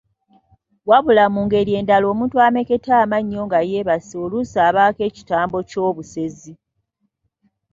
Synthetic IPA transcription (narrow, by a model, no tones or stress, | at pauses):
waβulamuːŋɡe̞ɾje̞ːndalo̞ːmuːntwame̞ke̞tʰaːmaɲːo̞ŋɡaje̞ːβasolusaːβaːke̞ːci̥taːmbo̞co̞ːβuse̞zi